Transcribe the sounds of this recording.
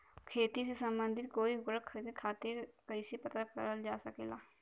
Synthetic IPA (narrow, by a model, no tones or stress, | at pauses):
kʰeːt̪isesəmbənd̪ʱɪt̪̚koːiɦʊkɾək̪ʰːkʰaːt̪ekəisepət̪akə̰ɾəld͡ʒaːsəkḛːlaː